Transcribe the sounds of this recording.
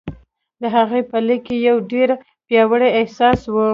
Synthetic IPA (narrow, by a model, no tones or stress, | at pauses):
d̪əɦaɣepəlikejawɖeɾ | pjɑwəɽeɪhsɑswə